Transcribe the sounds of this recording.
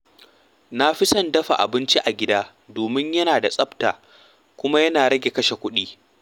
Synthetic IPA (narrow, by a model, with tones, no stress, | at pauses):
na˦ɸɪ˦sɐ˦˨ndɐ˦ɸa̰˨ʔa̰˨bɪ˦nt͡ʃi˦ʔa˨ɡʲɪ˦daː˦ | doː˨mɪ˦ɲjɐ˦naː˨da˨sʼɐ˦bta̰ː˨ | kʷʊ˦ma˦jɐ˦naː˨ɾɐ˦ɡʲe˨kɐ˦ʃe˨kʷʊ˦ɗiː˦